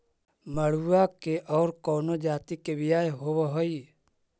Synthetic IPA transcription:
məɽ̤uakeʔɔːɾkɔːnod͡ʒaːt̪ikeʋɪjaːjɦoːweɦoi

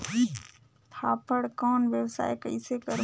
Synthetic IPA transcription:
t̪ʰaːpəɽkɔːnʋjəwsa̰ːekə̰ɪsekəɾ

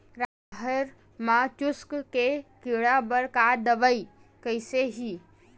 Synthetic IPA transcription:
ɾa | ɦəɾ | mat͡ʃuskkekiɽabəɾkad̪əbəi | kəjseɦi

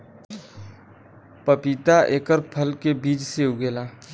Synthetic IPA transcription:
pəpit̪aʔeːkəɾpʰəlkebiːt͡ʃseʊɡeːlaː

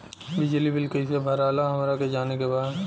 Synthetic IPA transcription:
bɪd͡ʒlibɪlkəisebʱɐɾaːlaɦɐmɾaked͡ʒaːnekebaːd̪

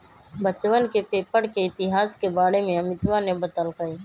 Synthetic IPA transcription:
bət͡ʃwənkepeːpəɽkeɪt̪ɪɦaːskebaːɽemẽɐmɪt̪wanebɐt̪əlkɐiː

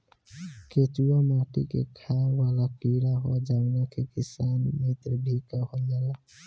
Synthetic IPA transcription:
ketuamaːʈḭkḛkʰawaːlakiɾaɦɔd͡ʒawnakʰekɪsaːnmet̪ɾəbʱikahod͡ʒala

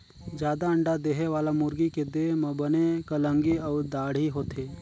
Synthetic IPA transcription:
d͡ʒjaːd̪aə̃ɳɖad̪eːɦeʋaːlamʊɾɡiked̪eːɦmɐ̃bənekələ̃ŋɡiɔːɾd̪aːɽ̤ɦiɦoːt̪ʰeː

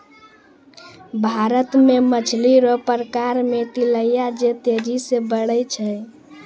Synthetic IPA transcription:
bʱaɾət̪memət͡ʃʰliɾɔpəɾəkaɾmet̪iləjad͡ʒet̪eɾisebəɽəjt͡ʃʰəj

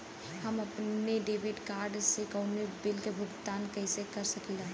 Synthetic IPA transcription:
hɐmɐpneɖeːʋɪɖkaːɾɖsekɔːnibɪlkebʱʊɡt̪aːnkɛːsekɐɾsɐkilaː

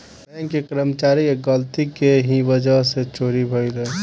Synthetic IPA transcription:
ɛkekɾəmt͡ʃaːɾieɡəlt̪ikeɦiʋəd͡ʒəɦset͡ʃoːɾibʱəilə

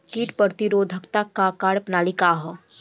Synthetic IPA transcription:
kiːʈpəɾt̪iɾoːd̪ʱəkt̪akːakaːɽpnaːlikaɦɔ

